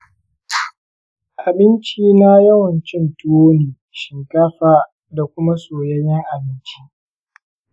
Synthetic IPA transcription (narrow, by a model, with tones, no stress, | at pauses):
ʔa˨bɪ˦nt͡ʃiː˦na˦jɐ˦wɐ˨nt͡ʃɪ˦ntʊ˦woː˦neː˨ | ʃɪ˨ŋkaː˦ɸaː˦ | da˨kʷʊ˦ma˦soː˨jɐ˦jɛ˦ŋʔa˨bɪ˦nt͡ʃi˦